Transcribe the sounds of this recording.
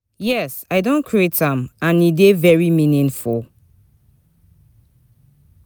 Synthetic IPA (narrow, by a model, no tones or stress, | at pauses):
jɛsaɪdõnkʰɹietãmãnidevɛɹimĩnĩnfulˠ